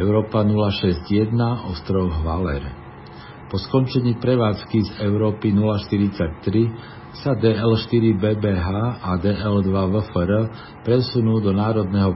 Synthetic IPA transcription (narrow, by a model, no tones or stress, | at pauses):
ɛʊɾɔːpanulaʃɛzɟjɛd̪naʔɔst̪ɾɔɣʋalɛ̰ɾ | pɔskɔnt͡ʃɛɲiːpɾɛʋaːt͡skizɛʊɾɔːpinulaʃt̪iɾit͡sac̚t̪ɾi | sad̪ɛːɛlʃt̪iɾibɛːbɛːɦaːad̪ɛːʔɛld̪ʋaʋəfəɾə | pɾɛsunuːd̪ɔnaːɾɔd̪nɛɦɔ